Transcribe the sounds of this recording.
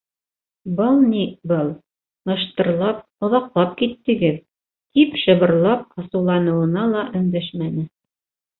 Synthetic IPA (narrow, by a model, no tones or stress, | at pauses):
bɤlˠnibɤlˠ | ɤ̆ʃt̪ɤ̆ɾlˠɑp̚ŏðɑqlˠɑp̚kit̪ːɘ̆ɡɘð | k̪ipʃɤ̆βɤ̆ɾlˠɑp̚ɑ̆sɤ̆wlˠɑnɤ̆wɤ̆nɑlˠɑʔɵ̆nd̪æʃmænɘ